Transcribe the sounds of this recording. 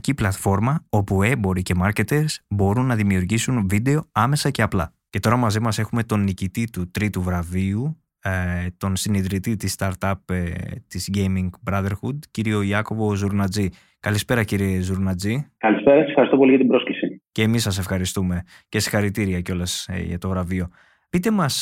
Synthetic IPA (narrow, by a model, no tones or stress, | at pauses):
ciplɐt̪fo̞ɾmɐo̞pue̞bo̞ɾice̞mɐɾce̞t̪e̞ɾsbo̞ɾunːɐðimiuɾʝisunvid̪e̞o̞ɐme̞sɐce̞ɐplɐ̰ | ce̞t̪o̞ɾɐmɐzimɐse̞xume̞t̪o̞nːicit̪it̪ut̪ɾit̪uvɾɐviu | t̪o̞nsiniðɾit̪it̪ist̪ɐɾt̪ɐpt̪izʝejmiŋɡbɾɐðe̞ɾxud̪ciɾio̞iɐko̞vo̞zuɾnɐd͡zi | kɐlispe̞ɾɐciɾie̞zuɾnɐd͡zikɐlispe̞ɾɐssefxɐɾist̪opo̞liʝɐt̪imbɾo̞sklisice̞ːmisɐs̬e̞fxɐɾist̪ume̞ | ce̞si̥xɐɾit̪iɾiɐco̞lɐsʝɐ̰t̪o̞vɾɐvio̞ | pit̪e̞mɐs